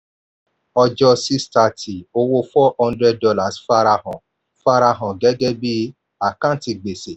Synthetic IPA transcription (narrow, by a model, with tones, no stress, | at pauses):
ɔ˧d͡ʒɔ˧si˦sta˧˨tʰi˨o˧wo˧fɔ˦ɔ̃˧ndɾɛ˧d̚dɔ˧la˨sfa˧ɾa˧ɦɔ̃˨ | fa˧ɾa˧ɦɔ̃˨ɡɛ˨˦ɡɛ˦bi˦ | a˨kã˦˨ti˧ɡ͡be˨se˨